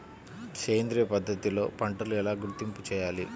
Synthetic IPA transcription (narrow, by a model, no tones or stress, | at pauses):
keːnd̪ɾijɐpɐd̪ʱːɐt̪ilo̞ːpɐɳʈɐluɛlaːɡuɾt̪imput͡ʃɛːjaːli